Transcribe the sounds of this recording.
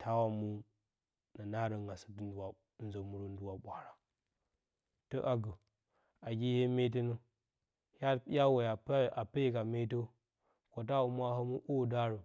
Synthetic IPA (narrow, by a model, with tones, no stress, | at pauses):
tʰa˦wa˨mu˦ | na˨na˦ɾə˨ŋa˨sə̥˨tndu˨wa˨˦ | n˦zo˨mu˨ɾə˨ndu˦wa˨ɓʷa˨ɾa˨ | to˦ʔa˨ɡə˨ | a˨ɡʲi˦he˦me˦t̬i˦nu˦ | ha˦a˦we˨a˨pa˨pe˦ka˨me˦tə˦ | ko˨t̬a˦wa˨mu˦a˦ɦə˦mu˦ʔo˦˨da˦ɾə˨